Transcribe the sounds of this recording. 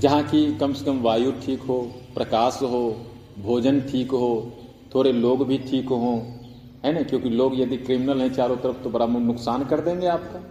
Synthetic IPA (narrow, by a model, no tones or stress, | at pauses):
d͡ʒɐɦãkikɐmsə̥kəmʋaːjuʈʰiːkɦoːpɾɐkaːsɦoː | bʱoːd͡ʒənʈʰiːkɦoː | t̪ʰoːɾeloːɡbʱiʈʰiːkɦõː | ɦɛnakjõːkiloːɡjɐd̪ikɾimɪnəlɦɛ̃t͡ʃaːɾõt̪ɐɾəfʰt̪obɐɾabnʊksaːnkɐɾd̪ẽːŋɡeaːp̚ka